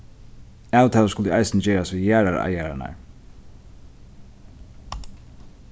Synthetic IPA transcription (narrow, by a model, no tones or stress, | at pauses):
aːwt̪ʰaːlskʊlt̪ːajsɪnd͡ʒɛːɾasʋiðjæːɾaɾa̰jæːɾa̰na̰ɹ